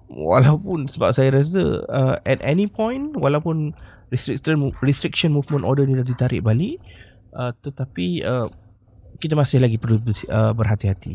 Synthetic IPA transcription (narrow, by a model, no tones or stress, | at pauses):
wa̰lawpunsəba̰p̚sajaɾas̬ə̰əɛ̰tɛ̰nipɔ̃jnwalawpʊn | ristɾik̚t̪ənrist̪ɾik̚ʃə̃nmuvmə̃ntʔɔdənidahdit̪aɾɪ̰ʔ̚baliʔ | ʔət̪ət̪apiəm | kit̪amasɪhlaɡipərlubəsəbərɦat̪iɦat̪ḭ